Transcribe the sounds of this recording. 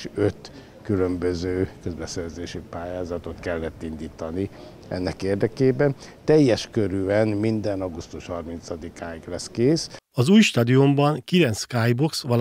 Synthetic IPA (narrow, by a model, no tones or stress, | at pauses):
ʃøt̪ | kylømbøzøːkøzbɛsɛrzeːʃipaːjaːzɒt̪o̞t̪kɛlːɛt̪ːind̪iːt̪ɒni | ɛ̰nːɛkeːrd̪ɛkeːbɛn | t̪ɛjːɛʃkøɾyɛnmind̪ɛnɒɡust̪uʃhɒrmint̪sɒd̪ikaːjiɡlɛskeːs | ɒzuːjʃt̪ɒːd̪iombɒŋkilɛnt̪skaːjboksʋɒl